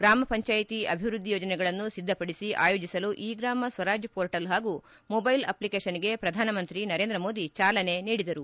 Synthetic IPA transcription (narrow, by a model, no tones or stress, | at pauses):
ɡɾaːmɐpɐɲt͡ʃaːjit̪iɐ̰bʱiʋɾud̪ʱːijoːd͡ʒɐnɛɡɐɭɐnːusid̪ʱːɐpɐɽisiʔa̰ːjo̞ːd͡ʒisɐluʔiːɡɾaːmɐsʋɐɾaːd͡ʒjɐpoːɾʈɐlɦaːɡu | mobɐjlɐ̰plikeːʃɐniɡe̞pɾɐd̪ʱaːnɐmɐnt̪ɾinɐɾe̞ːnd̪ɾɐmoːd̪it͡ʃaːlɐne̞niːɽid̪ɐɾu